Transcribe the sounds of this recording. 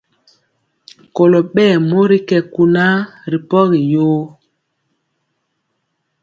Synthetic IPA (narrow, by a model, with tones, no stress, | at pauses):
ko˨lo˨ɓɛː˦˨mo˦ɾi˦kɛ˨ku˨na˦ɾi˨pɔ˦ɣi˨joː˦